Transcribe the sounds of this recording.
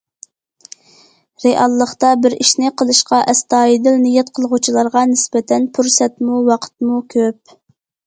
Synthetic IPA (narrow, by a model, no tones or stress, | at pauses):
ɾeʔɑlˠːəχt̪ɑbɪɾiʃnɪqʰəlˠɨʃqɑʔɛst̪ɑːjid̪ɪlnijɛt̪qʰəlˠʁut͡ʃʰilˠɑɾʁɑnɪsbɛt̪ʰɛnpʰuɾsɛt̪muwɑqʰə̥t̪̚mukʲʰøp̚